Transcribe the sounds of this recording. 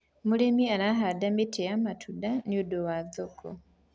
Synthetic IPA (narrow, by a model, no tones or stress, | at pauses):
mulimianaɦadamitʰejamatʰudaniodowazokʰo̰